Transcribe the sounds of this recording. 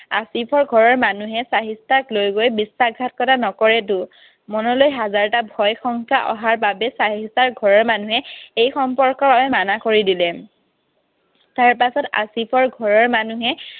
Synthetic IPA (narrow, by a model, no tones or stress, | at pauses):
asipʰɔɹɡʱɔɹɔɹmanuɦɛsaɦistaklojɡojbisːaɡʱat̚kɔtanɔkɔɹɛtʊ | mɔnɔlojɦazaɹtabʱɔjxɔŋkʰaʔɔɦaɹbabɛsaɦistaɹɡʱɔɹɔɹmanuɦɛejxɔmpɔɹkɔɹaɛmanakoɹidilɛ | taɹpasɔta̰sipʰɔɹɡʱɔɹɔɹmanuɦɛ